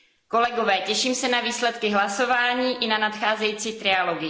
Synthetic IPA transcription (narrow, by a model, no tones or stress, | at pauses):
ko̞lɛɡo̞vɛːcɛʃiːmsɛnaviːslɛt̪kɪɦlaso̞vaːɲiːʔɪnanat̪xaːzɛjiːt͡siːt̪ɾɪalo̞ɡɪ